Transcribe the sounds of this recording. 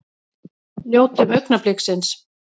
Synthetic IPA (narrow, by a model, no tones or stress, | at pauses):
ljoːwt̪ɪmœɥknaplɪksɪns